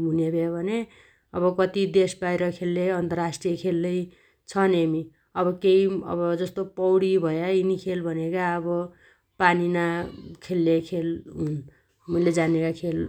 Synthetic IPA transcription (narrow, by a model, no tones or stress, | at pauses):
ɦunebʱebʱʌne | ʌbʌkʌt̪id̪esbajɾʌkʰelːeʌnt̪ʌrasʈrijʌkʰelːʌj | t͡sʰʌnemi | ʌbʌkeiʌ̰bʌd͡zʌst̪opʌwɽibʱʌjainikʰelbʱʌnekaʌbʌ | paninakʰelːekʰelun | mʌiled͡zanekakʰel